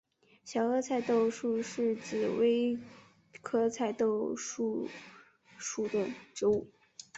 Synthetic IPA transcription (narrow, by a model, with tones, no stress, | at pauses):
ɕjɑ˨˩ʊɤ˥t͡sʰa˥˧ɪt̪o˥˧ʊʂu˥˧ʂɻ̩˥˩t͡ɕi˨˩we˥ɪ | kʰɤ˥t͡sʰa˥˧ɪt̪o˥˧ʊʂu˥˩ | ʂu˥˩d̪ə˩ʈ͡ʂo˧˥u˥˩